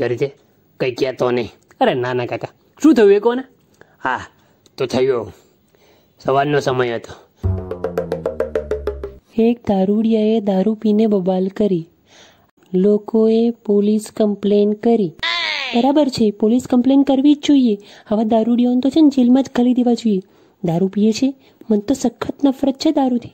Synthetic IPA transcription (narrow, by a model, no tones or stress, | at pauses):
kəɾit͡ʃʰe | kəjkjat̪onəĩ | əɾenanakaka | ʃũt̪ʰəjũekone | a | t̪ot̪ʰəjo | səʋalnosəməjɦət̪o̥ | ek̚d̪aɾuɽijaed̪aɾupinebəbalkəɾi | lokoepoliskəmplenkəɾibəɾabəɾt͡ʃʰepoliskəmplenkəɾʋid͡ʒd͡ʒoieəʋãd̪aɾuɽijaənt̪ot͡ʃʰend͡ʒelmãd͡ʒɡʱəlid̪eʋad͡ʒoje | d̪aɾupijet͡ʃʰe | mənt̪osəkʰːət̪nəfɾət̪̚t͡ʃʰed̪aɾut̪ʰi̥